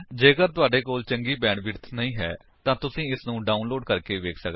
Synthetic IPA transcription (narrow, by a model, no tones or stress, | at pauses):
d͡ʒeːəkəɾt̪ʊaːɖeːkoːlt͡ʃəŋɡiːbɛːɳbɪɾt̪ʰnəĩːɦɛ̰ː | t̪ãːt̪ʊsĩːɪsnũːɖaːʊnloːɖkəɾkeːʋeːkʰsək̪